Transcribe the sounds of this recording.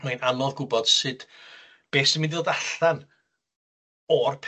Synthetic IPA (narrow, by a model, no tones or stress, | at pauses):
majnamɔlˠɡʊbɔd̥sɨd̥ | b̥eːsənmɪ̃ndiolˠdaɬan | ɔrpʰ